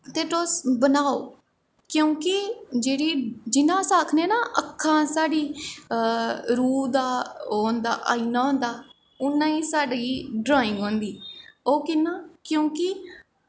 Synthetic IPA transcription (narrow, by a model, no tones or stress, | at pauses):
t̪eːʈoːsbənaːoː | kjõːkɪd͡ʒeːɽiːd͡ʒɪnãːsaːkʰneːnaʔəkʰːãːsaːɽiː | ɾuːd̪aːoːnd̪a̰ːʔa̰ːiːnaːɦõːnd̪aː | ʊnːãːiːsaːɖiːɖɾaːɪ̃ŋɡõːnd̪iːoːkɪnːãːkjõːkɪ